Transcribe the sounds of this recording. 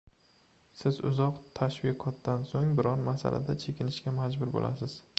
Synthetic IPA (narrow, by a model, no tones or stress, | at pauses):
sɪzʊ̰zɒqt̪ʰaʃvɪqʰɒt̪̚d̪ansoŋbɪɾɒɾmasa̰lʔa̰d̪at͡ʃʰe̞kʲɪnɪʃkʲamad͡ʒbʊɾbo̰lʔa̰sɪz̥